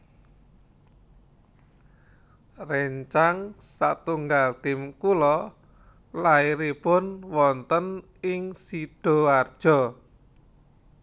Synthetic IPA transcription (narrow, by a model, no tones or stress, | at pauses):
rɛɲt͡ʃaŋsaʔt̪uŋɡalt̪ɪmkulɔ | laiɾipʊnwɔnt̪ən | ɪŋsiɖ̥ɔ̤ward̥ʒ̥ɔ̤